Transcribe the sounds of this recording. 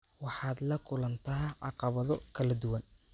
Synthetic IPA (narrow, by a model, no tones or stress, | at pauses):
wɑħɑːd̪lɐkʰʊlɐnt̪ʰɐʕɑqɑβɐðɔkʰɐlɐd̪ʊwɐn